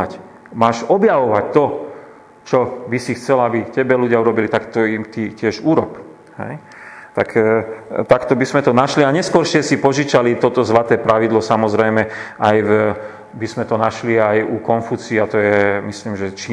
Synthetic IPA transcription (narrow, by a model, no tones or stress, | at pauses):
ac | maːʃɔbjaʋɔʋac̚t̪ɔ | t͡ʃɔbisixt͡sɛlabicɛbɛluɟɪauɾɔbilit̪akt̪ɔimt̪icɪɛʒuɾɔp | hɛ̰j | t̪ak | t̪akt̪ɔbizmɛt̪ɔnaʃliaɲɛskɔɾʃɪɛsipɔʒit͡ʃalit̪ɔt̪ɔzlat̪ɛːpɾaʋid̪lɔsamɔzɾɛjmɛajv | bizmɛt̪ɔnaʃliajukɔnfut͡siːat̪ɔjɛmisliːmʒɛt͡ʃi